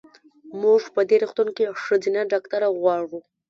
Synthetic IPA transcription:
muʐpəd̪eɾuxt̪unkeʂəzinaɖɑkt̪aɾaɣwɑɽu

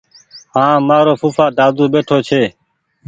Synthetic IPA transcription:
ɦãːmaːɾoːpʰuːfʰaːɖ̪aːd̪uːɓeːʈʰoːt͡ʃʰeː

